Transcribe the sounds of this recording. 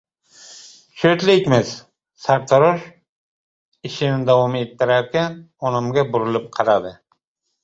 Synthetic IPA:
ʃøt̪lɪkʲmɪz̥ | saɾt̪ʰaɾoʃ | ɪʃɪnɪd̪awɒmet̪ʰːɪɾaɾkʲanɒnɪmɡʲabʊɾɪlɪp̚qʰɑɾad̪ɪ

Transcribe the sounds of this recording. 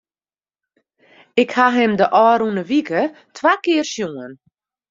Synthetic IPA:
ɪkhaɦɪmdəʔɔːɾunəʋikə | tʰwakɪːərsjoən

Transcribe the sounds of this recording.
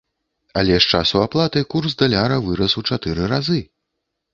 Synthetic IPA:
ɐlʲɛʂt͡ʂasuaplˠat̪ɨkursd̪ɐlʲaɾɐvɨɾɐsut͡ʂat̪ɨɾɨɾazɨ

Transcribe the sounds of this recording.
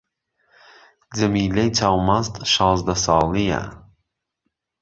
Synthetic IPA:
d͡zɐmiːlejt͡sʰawmazt̪ʃɑːzd̪ɐsɑːlija̰

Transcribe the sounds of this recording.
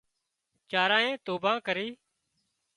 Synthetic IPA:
t͡ʃaːɾãːẽːt̪oːbãːkəɾiː

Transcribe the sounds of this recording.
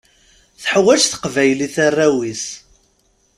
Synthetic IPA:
θħwæʃθə̥qvæjliθarˤːæwis

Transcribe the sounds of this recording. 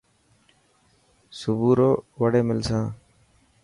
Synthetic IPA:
sʊbuːɾoːʋəɽeːmɪlsãː

